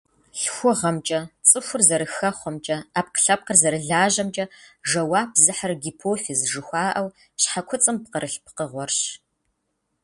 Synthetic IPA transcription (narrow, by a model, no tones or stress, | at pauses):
ɬxʷʊʁɐmt͡ʃʼɐt͡sʼɨxʷʊrzɐɾɨxɐχʷɔmt͡ʃʼɐaːp̚qə̥ɬɐp̚qərzɐɾɨɮaːʑɐmt͡ʃʼɐʒɐwaːpzɨħarɡipʰoːfezʒɨxʷɑːʔɐw | ɕħakʷʰʊt͡sʼɨmpqərʔɨɬpʰqəʁʷɔrɕ